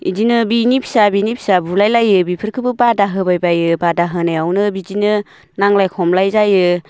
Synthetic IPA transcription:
ḭzinɯbinipʰi̥sabinipʰi̥sabulajlajɯbipʰɯɾkʰɯbɯbadaɦɯbajbajɯbadaɦɯnajawnɯbid͡ʒinɯ | naŋlajkʰɔmlajzajɯ

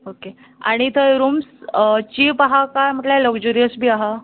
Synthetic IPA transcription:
oke | a̰ɽ̃it̪ʰəjɾuːmst͡ɕipaɦakajm̤əʈlaləɡd͡ʑuɾijəsbʱiːaɦa

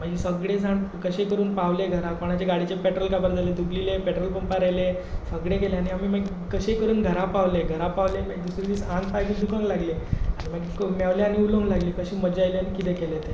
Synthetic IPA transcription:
m̤əɡisəɡɽed͡zʱaɳkəɕekəɾuːnpaʋleɡʱəɾakoɽ̃at͡ɕeɡaɽit͡ɕepɛʈɾəlkabəɾd͡zʱaled̪ublilepɛʈɾəlpəmpaɾajle | fəɡɽekɛleaniamiːməɡ | kəɕekəɾuːnɡʱəɾapaʋleɡʱəɾapaʋleməɡ̚d̪usɾid̪iːt͡sãŋɡpajd͡ʑid̪ukə̃ŋɡlaɡleañiməɡkmaʋleañiulə̃ŋɡlaɡliːkəɕiːməd͡ʑajleanikit̪̬ekɛlet̪e

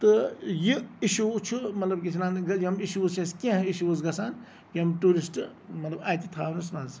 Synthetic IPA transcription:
t̪ɨjiiʃut͡ʃʰumɐt̪ləbkit͡ʃʰinaːnɡɐjiɦɐmiʃuzt͡ʃʰeskẽɦiʃuwuzɡɐsaːn | jiɐmʈuːɾisʈmɐt̪lɐbaːt̪it̪ʰaːnusmaːz

